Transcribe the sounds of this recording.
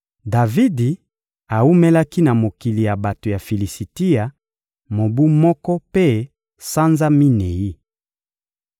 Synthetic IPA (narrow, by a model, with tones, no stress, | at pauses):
da˨vi˦di˨ | a˨u˦me˦la˦ki˦na˨mo˨ki˨li˨ja˨ba˨to˨ja˨fi˨li˨si˨ti˦ja˨ | mo˨bu˦mɔ˦kɔ˦pe˦ | sa˦nza˦mi˦ne˨ji˦